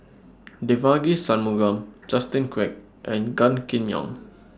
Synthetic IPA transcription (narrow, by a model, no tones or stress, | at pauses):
devaɡisãnmuɡãmd͡ʒastĩnkwɛk̚ | ʔɛ̃nɡãnkĩnjɔ̰̃ŋ